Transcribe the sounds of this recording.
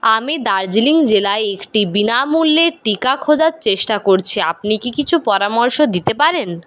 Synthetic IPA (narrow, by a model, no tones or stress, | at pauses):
amid̪aɾd͡ʑiliŋd͡ʑelaeekʈibinamulːeʈikakʰod͡ʑaɾt͡ɕeʃʈakoɾt͡ɕʰeapnikikit͡ɕʰupɔɾamoɾʃod̪it̪epaɾen